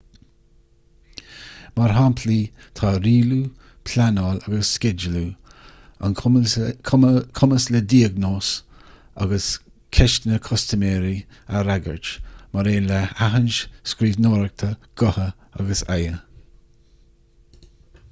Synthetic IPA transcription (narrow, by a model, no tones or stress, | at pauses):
maɹɦampʰliː | t̪ʰɑːɾiːlu | pʰlanɔːlaɡəəsːkɪd͡ʒəlu | a̰nkʰkʰʊməsləd̪iːəɡnoːs | a̰ɡəs | kʰɛʃtnəkʰɔst̪əmɛːɾi | əɾaɡə̰ɹt͡ʃmaɾeːləaɦənʃskɾiːvnoːɾək̚t̪ʰəɡ̥ɔhə | a̰ɡəsajə